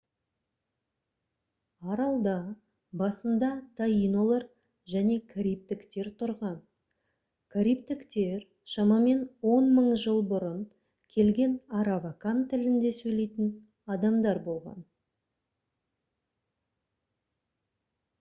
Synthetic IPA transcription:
ɑɾɑlˠd̪ɑ | bɑsənd̪ɑt̪ʰaino̞lˠɑɾ | ʒæne̞kʰaɾʲijp̚t̪ɪkt̪e̞ɾt̪ʰʊɾʁɑn | kʰaɾijp̚t̪ɪkt̪e̞ɾ | ʃɑmɑme̞nwo̞nməɴʒəlˠbʊɾən | kʲʰe̞lɡʲe̞nɑɾavakant̪ʰːɪlɪnd̪e̞sɵjle̞jt̪ɪn | ɑd̪ɑmd̪ɑɾbo̞lˠʁɑ̰n

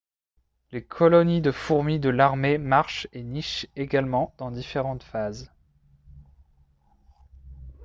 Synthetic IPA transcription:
lekʰɔlɔnid̪əfuʁmid̪əlaʁmemaʁʃeniʃeɡalmɑ̃d̪̥ɑ̃d̪ifeʁɑ̃t̪faz

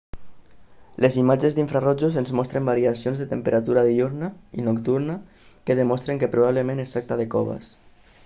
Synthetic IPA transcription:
lʔezimad͡ʒezðiɱfɾarɔd͡ʒuzenzmɔst̪ɾembaɾiasionzðet̪əmpəɾat̪uɾaðiuɾnaḭnokt̪uɾna | keðemɔst̪ɾeŋkepɾuβaβləmẽnest̪ɾak̚t̪aðekɔβa̰s

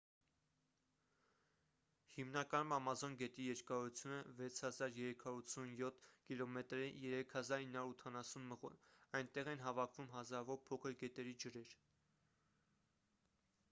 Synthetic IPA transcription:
himnɑkɑnumɑmɑzɔnɡɛt̪ijɛɾkɑɾut͡sʰjunəvɛt͡sʰhɑzɑɾjɛɾɛkʰɑɾut͡sʰunjɔt̪ʰkilɔmɛt̪ɾɛjɛɾɛkʰhɑzɑɾhinːɑuɾut̪ʰɑnɑsunməʁṵnɑjnt̪ɛʁɛnɦɑvɑkʰvumɦɑzɑɾɑvɔɾpʰɔkʰəɾɡɛt̪ɛɾid͡ʒəɾɛɾ

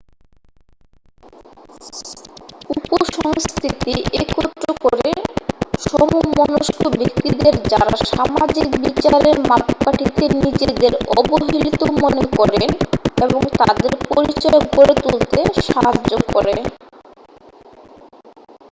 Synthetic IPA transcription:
upoʃɔŋskʰɾit̪iʔekɔt̪ːɾokoɾeʃɔmomɔnoʃkobekt̪id̪eɾd͡ʑaɾaʃamad͡ʑikbit͡ɕaɾeɾmap̪kaʈʰit̪eɾnid͡ʑed̪eɾɔboɦiilt̪omonekɔɾeneboŋt̪ad̪eɾpoɾit͡ɕɔeoɡoɾet̪ult̪eʃaɦad͡ʑokɔɾe

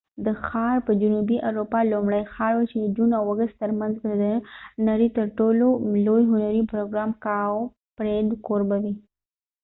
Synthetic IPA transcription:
d̪əxɑɾpəd͡ʒʊnubiʔaɾopɑlomɽəjxɑɾwat͡ʃed̪əd͡ʒunawaɡəst̪t̪əɾmanzbəd̪ənaɾit̪əɾʈololojɦʊnaɾipɾoɡɾɑmkɑo | pɾed̪koɾbawi

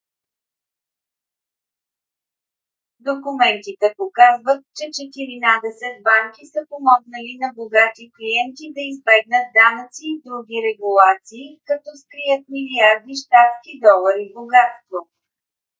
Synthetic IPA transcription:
d̪okumɛnt̪it̪ɛpokazvət̪̚t͡ʃɛt͡ʃɛt̪iɾinad̪ɛsɛt̪̚baŋkisəpomɔɡnəlinɐboɡat̪iklijɛnt̪id̪ɐizbɛɡnət̪̚d̪anət̪siːd̪ɾuɡ̟ʲiɾɛɡulˠat̪siːkɐt̪ɔskɾijət̪̚miliaɾd̪iʃt̪at̪skid̪ɔlˠəɾivboɡat̪st̪vo

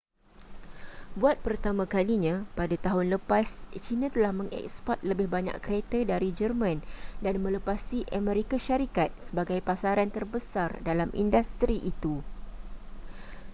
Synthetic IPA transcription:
buat̪̚pərt̪amãkaliɲãpadat̪aɦʊnləpast͡ʃinãt̪əlahmə̃ŋɛ̰kspɔrt̪̚ləbɪhbaɲã̰ʔkɾet̪ədaɾid͡ʒərmãndanmə̃ləpasiʔamɛ̃ɾikaʃaɾikat̪̚səbaɡajpasaɾant̪ərbəsardalamʔḭndast̪ɾiʔit̪u

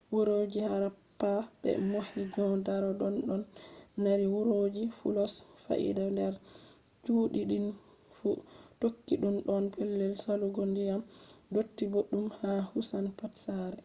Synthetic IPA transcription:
wuɾod͡ʒihaɾapːabɛ̰mohid͡ʒɔndaɾɔɗɔnɗɔnːaɾiwuɾod͡ʒifṵlɔsfa̰ʔḭdandɛɾ | t͡ʃuːɗiɗin | futokːiɗumɗɔnpɛlːɛlsaluɡɔndijamdotːiboɗːumhahusanpatsaɾɛ

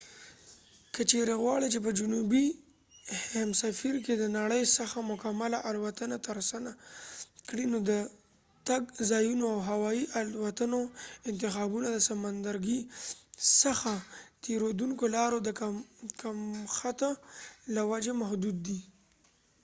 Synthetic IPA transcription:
kət͡ʃeɾeɣwɑɽit͡ʃep̬əd͡ʒʊnubi | hamsafiɾked̪ənaɽəjsaxamʊkamalaʔalwat̪ənat̪aɾasana | kɽinod̪ə | t̪aɡzɑjunoawɦawɑiʔalwat̪ənoɪnt̪ɪxɑbunad̪əsamand̪aɾɡi | saxat̪eɾod̪uŋkolɑɾod̪əkakamxat̪alawad͡ʒemahd̪ud̪ːi

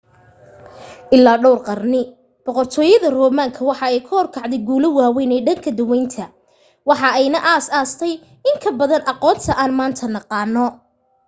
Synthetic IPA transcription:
ʔɪlːaːɖɔwrqɑrnɪ | b̥ɔqɔrt̪ʰɔːjɐðɐrɔːmaːŋkʰɐwɑħɑɛjkʰʊhɔrkʰɑʕd̪ɛjɡuːlʊwaːwɛjnɛːɖɐŋkʰɐd̪ʊwɛjnt̪ʰɐ | wɑħɑɛjnɐʔaːsaːst̪ʰɛj | ɪŋkʰɐbɐðɐnʔɑqɔːnt̪ʰɐʔaːnmaːnt̪ʰɐnɑqɑːnːɔ

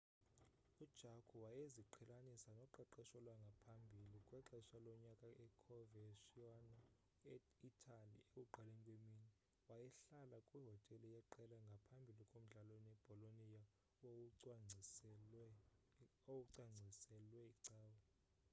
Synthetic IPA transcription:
ud̥ʒ̥ʱakʰuwajeziǃʰɛlanisanɔǃɛǃɛʃɔlwaŋɡʱapʰambʱilikʼwɛǃɛʃalɔɲakʼaʔɛkʰɔvɛʃiɔn | itʼʰalḭekʼuǃalenikʼwemiːni | wajɛɬalakʼwiɦɔtʼɛlɔjɛǃɛlɛŋɡʱapʰambʱilikʼom̩ɮalonɛb̥ʱɔlonija | owuǀwaŋ͡ǀʱisɛ | owuǀaŋ͡ǀʱisɛlwɛiǀaːwɔ

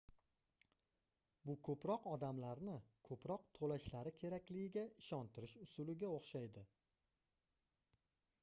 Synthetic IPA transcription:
bʊkʰɵpɾɒqɒd̪amlaɾnɪkʰɵpɾɒqt̪ʰolaʃlaɾɪkʲʰe̞ɾakʲlɪɡʲɪɡʲaɪʃɒnt̪ʰɪɾɪʃʊsʊlɪɡʲaoχʃajd̪ɪ

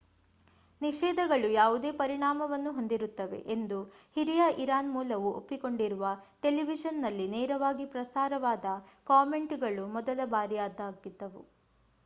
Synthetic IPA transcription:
niʃɛːd̪ɐɡɐɭujaːʋud̪eːpɐɾiɳaːmɐʋɐnːuɦo̞nd̪iɾut̪ːɐʋe̞̰ʔend̪uhiɾijaʔiɾaːnmuːlɐʋuo̰pːiko̞ɳɖiɾuʋɐʈe̞liʋiʃɐnːɐlːineːɾɐʋaːɡipɾɐsaːɾɐʋaːd̪ɐkaːme̞ɳʈɡɐɭumɔd̪ɐlɐbaːɾijaːd̪aːɡid̪ːɐʋṵ

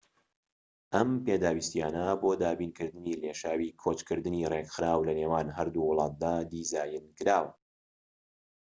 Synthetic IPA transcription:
ʔɐmpeːd̪aːwist̪ijaːnɐboːd̪aːbiːnkɨɾd̪ɨniːleːʃaːwiːkʰot͡ʃkʰɨɾd̪ɨniːrekxɨɾaːwlɐneːwaːnɦɐɾd̪uːwʊlˠɑːt̪̚d̪aːd̪iːzaːjɨnkɨɾaːw

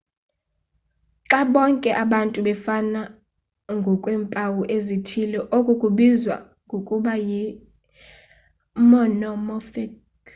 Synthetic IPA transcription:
ǁaɓɔŋkʼɛʔaɓantʼuɓɛfana | ŋɡʱɔkʼwɛːmpʼawuʔezitʰilɔʔokʼukʼuɓizwa̰ | ŋɡʱokʼuɓaji | mɔnɔmɔfik

